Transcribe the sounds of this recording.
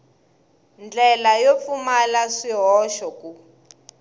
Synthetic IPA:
nd͡ɮɛlajofumalaʂiɦɔʃɔku

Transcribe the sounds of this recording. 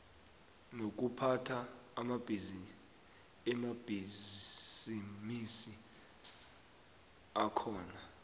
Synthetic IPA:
nok̬upʰatʰaːmab̥ʱizi | ɛmab̥ʱi | zimisi | akʰɔːna

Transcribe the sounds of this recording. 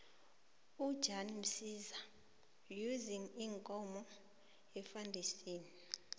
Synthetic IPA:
ud̥ʒ̥ʱanim̩siza | juziŋiŋkʼɔmɔ | ɛfandʱisiːni

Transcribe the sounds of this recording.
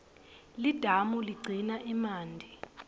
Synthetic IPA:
lid̥ʱamuliɡ͡ǀʱinaʔimaːndʱi

